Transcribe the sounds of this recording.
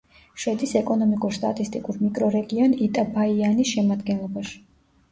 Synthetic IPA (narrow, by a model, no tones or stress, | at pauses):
ʃwɛd̪isɛkʼɔnɔmikʼuɾst̪ʼa̰t̪ʼist̪ʼikʼuɾmikʼɾɔɾɛɡiɔnit̪ʼabaianisʃɛmad̪ɡɛnlˠɔbaʃi̥